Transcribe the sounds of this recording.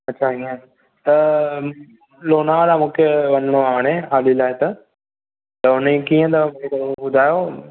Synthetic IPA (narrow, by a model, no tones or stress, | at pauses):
ɐtːʃʰaːiːã | t̪ɐ | loːnalamũːkʰeʋɐnəɽ̃oaːʋəɽẽɦaːlilaːet̪ɐ | t̪ɐʊnĩkiːə̃t̪ɐ̃mɐekɐɾʊd̪ʱaːjoː